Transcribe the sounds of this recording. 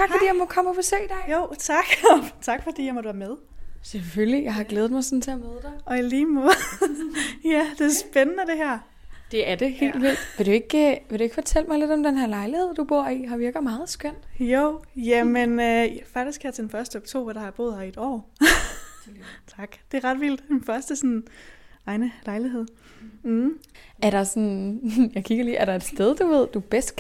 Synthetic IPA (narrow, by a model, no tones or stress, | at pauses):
t͡sʰɑ̈ɡ̥fɒdḭːjɑmɒkʰɒ̽məpʰesḛːd̥ɛoʊ̰t͡sʰɑ̈ɡ̥t͡sʰɑ̈ɡ̥fɒd̥ḭːjɑmɒd̥uʋæɐmeðˠ | seføllijɑ̈ɪhɑ̈ɡ̥leːð̩ˠmɑ̈ɪsɒ̽n̩t͡sʰe̝æmeðˠəd̥ɑɪɒ̽iliːmo | jæd̥e̝æɐsb̥enənəd̥e̝ɦɛɐ̰ | d̥e̝æɐd̥e̝he̝̰ːlʋil̰̥ʋe̝d̥ue̝ɡ̥ʋeɾ̥ue̝ɡ̥fɒ̽t͡sʰel̰mɑɪle̝d̥ɒ̽md̥enɦæɐlɑ̈ɪlihe̝ð̞̰ˠd̥ub̥o̝ɐ̰iɦɑ̈ʋiɐɡ̥ð̩ˠmɑ̈ːð̞̩ˠsɡ̥øn̰joʊ̰jæmenøfɑ̈ɡ̥̚d̥isɡ̥hæjɑt͡sʰed̥n̩fɶɐsd̥əɒ̽ɡ̥t͡sʰo̝̰bɐɾ̥ɑæɐb̥o̝ːð̩̰ˠɑied̥ɒ̰ː | t͡sʰɑ̈ɡ̥d̥e̝ɐʁɑ̈d̥ʋild̥infɶɐsd̥əsɔn | ɑ̈ɪnəlɑ̈ɪliɦeð̞̰̩ˠ | æɐɾ̥ɑ̈sɒnjɑ̈ɪkʰiɡ̥ɐlḭːʔæɐɾɑ̈e̝d̥sd̥eð̞ˠd̥uʋe̝ð̞̰ˠd̥ub̥esd̥̚